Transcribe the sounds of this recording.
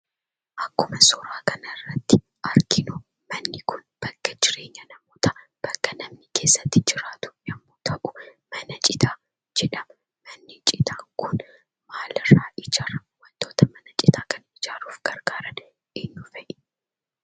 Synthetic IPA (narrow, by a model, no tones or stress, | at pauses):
ʔɐkːʊmɐsɔɾaːkʰɐnɐrːɐt̪ːɪ | ʔɐɾkɪnʊ | mɐnːɪkʰʊnb̥ɐkːɐd͡ʒɪɾe̞ːɲːɐnɐmoːt̪ɐ | b̥ɐkːɐnɐmnɪkʰe̞ːsːɐt̪ːɪd͡ʒɪɾaːt̪ʊ̥nɐmːoːt̪ʰɐʔʊmɐnɐt͡ʃʼɪt̪aː | d͡ʒɛᶑɐm | mɐnːɪt͡ʃʼɪt̪aːŋkʊn | maːlɐraːʔɪd͡ʒɐrɐhumɐnt̪ːo̞ːt̪ɐmɐnɐt͡ʃʼɪt̪ʰaːkɐnɪd͡ʒaːluːfɡ̥ɐɾɡaːɾɐn | ʔɪnːʊfɛʔɪ